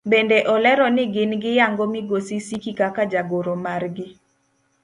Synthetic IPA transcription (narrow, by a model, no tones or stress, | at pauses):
bendeʔɔlɛɾɔnɪɡɪnɡɪjaŋɡomɪɡosisikikakad͡ʒaɡoɾomarɡɪ